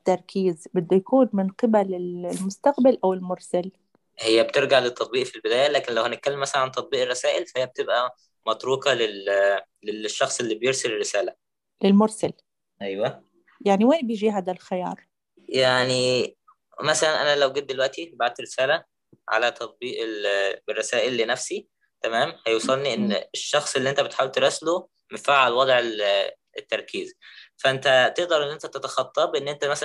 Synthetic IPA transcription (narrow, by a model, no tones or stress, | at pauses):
t̪ːɑɾˤkʰiːzbɪd̪ːæjakuːnmɪnqɪbælɪllmʊst̪aqbalʔawɪlmʊɾˤsal | hejːæb̚t̪eɾɡaʕlet̪ʰˤːɑt̪̚ˤbiːʔfilbɪd̪æːjælæːkenlæwhænet̪̚kælːemːæsælnʕant̪ˤɑt̪̚ˤbiːʔerˤːɑsæːʔɪlfæhejːæb̚t̪ebʔæ | mɑt̪ˤɾuːkɑle | leʃːɑxsˤelːiːbjeɾselerːɪsæːlæ | lɪlmʊɾˤsal | ʔæjwæ | jaʕniweːnbejd͡ʒiːɦaːd̪ælxɪjɑ̰ːɾˤ | jaʕni | mæsælænʔænælæwɡed̪̚ːelwæʔt̪ibaʕad̪̚t̪ɾesæːlæ | ʕa̰læt̪ʰɑt̪̚ˤbiːʔeerˤːɑsæːʔelːinæfsi | t̪æmæːmhæjewsˤɑlniʔenːeʃːɑxsˤelːiʔent̪æbet̪ħawelt̪eɾˤɑslo | mefaʕalwɑd̪ˤʕel | et̪ːɑɾˤkʰiːzfæʔent̪æt̪eʔd̪ɑɾˤʔenːʔent̪æt̪et̪ɑxɑt̪ˤːɑːbʔenːʔent̪æmæs